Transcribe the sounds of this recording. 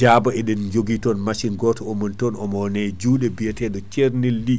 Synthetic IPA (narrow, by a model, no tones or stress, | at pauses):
d͡ʒabaɛɗɛnd͡ʒoɡitɔnmaʃinɡɔtɔomɔntɔnɔmɔnɛd͡ʒuːɗɛbijɛtɛɗɔt͡ʃeɾnilːi